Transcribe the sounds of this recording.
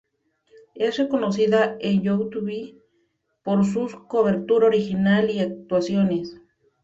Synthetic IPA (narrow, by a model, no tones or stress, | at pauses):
esrekonosiðaenjowt̪uβi | poɾs̬uskoβeɾt̪uɾaoɾixinaliak̚t̪wasjones